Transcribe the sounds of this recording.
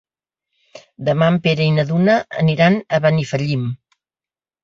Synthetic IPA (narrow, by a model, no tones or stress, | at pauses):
d̪əmampeɾəinəðunəə̰niɾanəβənifəʎim